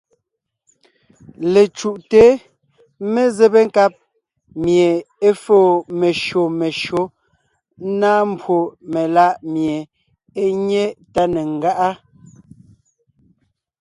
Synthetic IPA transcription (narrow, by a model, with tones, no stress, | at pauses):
le˨t͡ʃu˨ʔte˨˦ | me˦ze˦be˦ŋ̩˦ka˦p̚ | mje˨e˦foː˦˨me˨ʃo˨me˨ʃo˨˦ | naː˦m˦bwo˨me˨la˦ʔmje˨ | e˦ɲe˦ta˦ne˨ŋ̩˦ɡa˦ʔa˦